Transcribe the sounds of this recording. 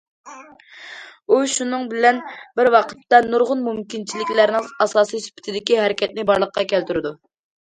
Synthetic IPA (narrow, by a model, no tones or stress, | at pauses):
uʃunɨŋbɪlɛnbɪɾwɑqʰə̥t̪ːɑnuɾʁʊnmumkʲint͡ʃʰilɪkʲlæɾnɪŋɑsɑːsijsy̥pʰɪ̥t̪ʰɪd̪ɪkʲiɦɛɾɪkʲʰɛt̪̚nɪbɑɾlˠəqqɑkʲɛlt̪yɾɪd̪u